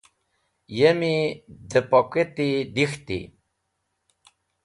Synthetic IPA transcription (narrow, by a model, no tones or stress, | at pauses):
jemid̪əpɔket̪id̪ixt̪ḭ